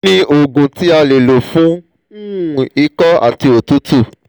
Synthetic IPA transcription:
ĩ˦ʔo˨ɡũ˨ti˨˦a˧le˨lo˨fũ˨˦ | u˦˨i˧˦kɔ˦a̰˨ti˧o˨tu˦tu˦˨

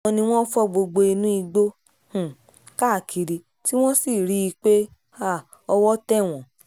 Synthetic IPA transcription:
ɔ̃˧nĩ˧w̃ɔ̃˦fɔ˦ɡ͡bo˧ɡ͡bo˧i˧nũ˦i˧ɡ͡bo˦ | h̩˦˨ | ka˦˨kʰi˨ɾi˧ | ti˦w̃ɔ̃˦si˦˨ɾi˨˦i˧k͡pe˦ | a˦˨ | ɔ˧wɔ˦tɛ˦˨w̃ɔ̃˨

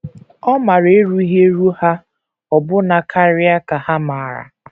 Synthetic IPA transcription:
ɔ˦ma˨ɾe˦ɾu˦i˦ɦe˦ɾu˦ha˦ | ɔ˨bʊ˦na˨kʰa˦ɾɪ˦a˦ka˨ha˦ma˨ɾa̰˨

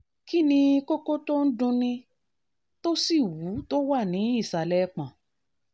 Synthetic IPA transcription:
ki˦nĩ˧˦ko˦ko˦to˦n̩˦dũ˧nĩ˧ | to˦si˦˨wu˨˦to˦wa˦˨nĩ˨˦i˦˨sa˨lɛ˦k͡pã˨

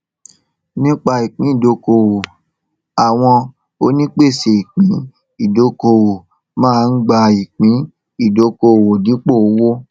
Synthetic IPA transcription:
nĩ˦k͡pa˧i˨k͡pĩ˨˦i˦˨do˨˦ko˧˨wo˨ | a˨w̃ɔ̃˧ | o˧˦nĩ˦k͡pe˦˨se˨i˨k͡pĩ˨˦ | i˦˨do˨˦ko˧wo˨ | mãː˦˧n̩˦ɡ͡ba˧i˨k͡pĩ˨˦ | i˦˨do˨˦ko˧˨wo˨di˨˦k͡po˦o˨˦wo˦

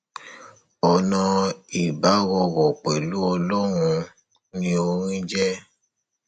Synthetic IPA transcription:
ɔ˨nɔ̃˧i˨ba˨˦ɣɔ˧wɔ˨k͡pɛ˨lu˦ɔ˧lɔ˦ɾ̃ũ˧ | nĩ˦o˧ɾ̃ĩ˦d͡ʒɛ˦

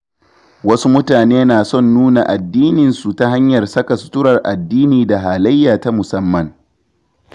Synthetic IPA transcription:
wɐ˦su˦mʊ˦taː˨neː˦naː˨sɔ˦˨nːuː˦na˨ʔa˨dːiː˦nɪ˨nsu˨ta˦ɦa˦ɲjɐ˨rsɐ˦ka˨sʊ̥˦tʊ˦ɾɐ˨rʔa˨dːiː˦niː˨da˨ɦaː˨la˦jːaː˨ta˦mʊ˨sɐ˦mːɐ˨ŋ

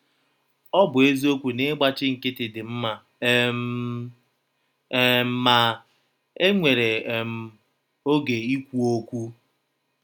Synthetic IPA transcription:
ɔ˦bʊ˨e˦zi˦o˦kʷu˨ne˦ɡ͡ba˦t͡ʃɪ˦ŋ̩˨kɪ˦tɪ˨dɪ˨m̩˦ma˨˦ | m̩˦ma˨ | e˦ŋʷe˨ɾe˨m̩˨ | o˦ɡe˨i˦kʷu˦o˦kʷu˦

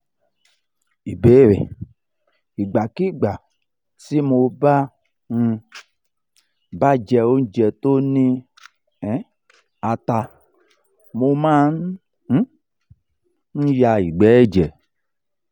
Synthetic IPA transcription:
i˨be˨˦ɾḛ˨ | i˨ɡ͡ba˨ki˦ɡ͡ba˨ | si˦mo˧ba˦ | n̩˧ | ba˦d͡ʒɛ˧o˦n̩˦d͡ʒɛ˨to˦nĩ˧ | ɛ˨˦ | a˧ta˧ | mo˧mã˦n̩˦ | n̩˦ja˧i˨ɡ͡bɛ˨˦d͡ʒɛ˨

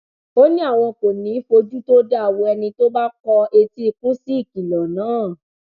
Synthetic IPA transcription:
o˦nĩ˦a˦˨w̃ɔ̃˧ko˨nĩ˨˦i˦fo˧d͡ʒu˦to˦da˦a˦˨wɔ̃˧ɛ˧nĩ˧to˦ba˦k͡pɔ˧e˧ti˧kũ˦si˦i˦˨ki˨lɔ˨nãː˨˦˨

